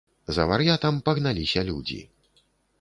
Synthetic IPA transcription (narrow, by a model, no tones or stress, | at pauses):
zɐvɐɾjat̪ɐmpɐɣnalʲisʲɐlʲud͡zʲḭ